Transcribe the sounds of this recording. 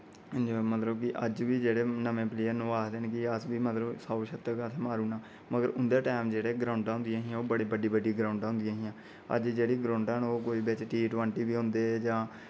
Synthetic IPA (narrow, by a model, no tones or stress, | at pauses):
d͡ʒimət̪ləbkɪʔəd͡ʒʋiːd͡ʒeːɽeːnəmẽːpleːəɾnũːaːd̪eːnːkɪəsbiːmət̪ləbsaːʃət̪ːəkət̪ʰeːmaːɾuːnãː | məɡəɾʊnd̪eːʈaːmd͡ʒeːɽeːɡɾaːʊɳɖãːɦʊ̃nd̪ijaːɦiãːoːbəɽiːbəɖiːbəɖiːɡɾãːʊɳɖãɦʊ̃nd̪ijãːɦĩãː | ə̰d͡ʒd͡ʒeːɽiːɡɾaːɳɖɛːnoːkoːiːbet͡ʃʈiːʈʋəɳʈiːbiːɦʊ̃nd̪eːd͡ʒãː